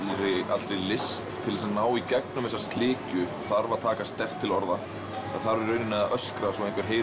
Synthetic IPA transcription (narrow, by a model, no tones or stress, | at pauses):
ɾɪa̰t̪ɾejlɪst̪ʰːɪlɛsanaːwicɛk̚nʏmvɛs̬ːast̪lɪːcʏ | θaɾvat̪ʰaːkast̪ɛr̥t̪ʰːɪlɔɾða | a̰ðθaɾvɾœːɥnɪnɛðaʔœskɾasɔejŋkvɪɾ̥ɦeːj